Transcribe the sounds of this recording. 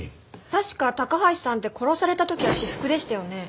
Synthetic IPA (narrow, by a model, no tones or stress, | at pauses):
t̪aɕi̥kat̪akaɦai̥sãnt̪e̞kʰo̞ɾo̞saɾe̞t̪at̪o̞kʲiβaɕiɸɯ̟̥kɯ̟d̪e̞ɕi̥t̪ajo̞ne̞